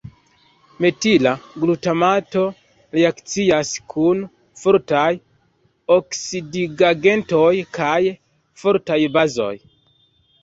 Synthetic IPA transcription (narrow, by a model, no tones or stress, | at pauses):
me̞tilaɡlutamato̞ | ɾeakt͡siaskʰun | foɾtaj | oksidiɡaɡe̞ntojkaj | foɾtajbazo̞̰j